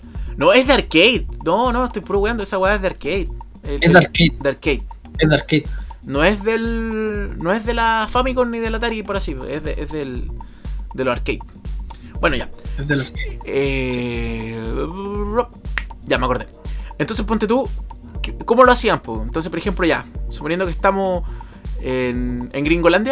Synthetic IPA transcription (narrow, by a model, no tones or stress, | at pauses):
noezðeaɾkejðnonoest̪ojpɾoβɣand̪oesaweaezðeaɾkejð̚ | eeðeaɾked̪eaɾkejð | eðeaɾkejðnoezðel | noezðelafamikoniðelat̪aɾipoɾasieðeʔezðel | d̪eloaɾkejð̚ | bwenoʝa̰eðelakee | rop̚ʝameako̞ɾðeent̪onsepunt̪et̪u | kkomoloasiampoent̪ons̬e̥hpoɾexemploʝa̰suponjend̪okeht̪amo | eneŋɡɾiŋɡoland̪ja